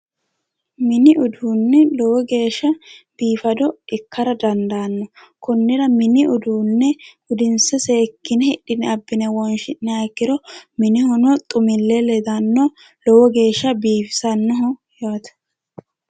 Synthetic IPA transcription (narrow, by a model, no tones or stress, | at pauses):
mɪnɪʔʊd̪uːnːɛlɔwɔɡe̞ːʃːɐb̥iːfɐd̪ɔɪkːɐɾɐd̪ɐnd̪aːnːɔkɔnːɪɾɐmɪnɪʔʊd̪uːnːɛ | ʊd̪ɪnsɛseːkːɪnɛhɛᶑɪnɛɐbːɪnɛwɔnʃɪnːɛakːɪd̪ɔmɪnɪhɔnɔt̪ʼʊmɪlːɛlɛd̪ɐnːɔ | lɔwɔɡe̞ːʃːɐbiːfɪ̥sɐnːɔɦɔjaːt̪ɐ̥